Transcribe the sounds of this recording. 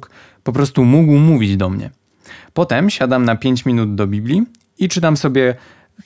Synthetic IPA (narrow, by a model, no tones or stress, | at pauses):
k | pɔpɾɔst̪umuɡwmuvʲid͡ʑd̪ɔmɲɛ̰ | pɔt̪ɛmɕad̪amnapʲjeɲt͡ɕmʲinud̪d̪ɔbʲiblʲi | it͡ʂɘt̪amsɔbʲjɛ